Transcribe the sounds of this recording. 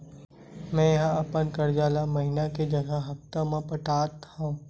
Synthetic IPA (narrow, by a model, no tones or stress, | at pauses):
mɛ̃jɐɦãɐpənkɐɾd͡ʒaːlamɐɦɪnaked͡ʒɐɡəɦɐft̪ãmãpɐʈaːt̪hãː